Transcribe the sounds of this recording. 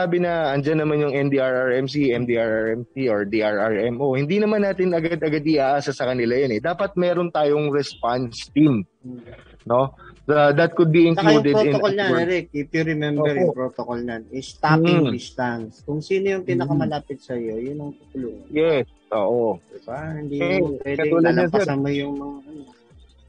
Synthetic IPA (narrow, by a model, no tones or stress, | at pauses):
aːbɪnɐʔɐnd͡ʒanːɐmanjʊŋʔɛmd̪iaɹʔaɹɛmsiʔɛmd̪iʔaɹaɹɛmsioɹd̪iʔaɹaɹʔɛmohɪnd̪inɐmanːaːt̪ɪnɐɡad̪ɐɡad̪ɪʔaːʔaːsɐsɐkɐnɪlajonɛd̪aːpɐt̪̚mɛːɾo̞nt̪aːjo̞ŋɾɛspanst̪im | no̞sod̪ɐt̪̚kʊd̪̚biɪ̃nɐluːd̪ɛdoɪnokolnɐɛɛɾɛkipjuɾɛmɛmoɛɾjʊpɾot̪okolnanɛst̪apːŋd̪ɪst̪anskʊŋsiːnojʊŋpinɐkɐmɐlaːpɪt̪̚sɐjojʊnːɐŋt̪ut̪ʊluːŋɐnjɛs | ʔo̰ːʔod̪ɪbahɪnd̪ipwɛdkɐɛuːlɐdɐnsɛɐmajʊŋmɐŋaʔɐno